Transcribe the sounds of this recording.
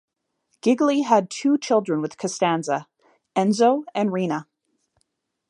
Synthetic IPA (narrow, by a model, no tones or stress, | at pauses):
ɡ̥ɪɡliəd̚tʰʉt͡ʃʰɪlˠdɹɨ̃nwɨð̥kʰɨstæ̃nzə | ɛ̃nzoʊɨ̃nɹĩnə